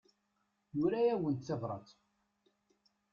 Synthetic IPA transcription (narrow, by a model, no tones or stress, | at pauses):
jʊɾæjæwənt̪θævɾˤɑ̰t͡s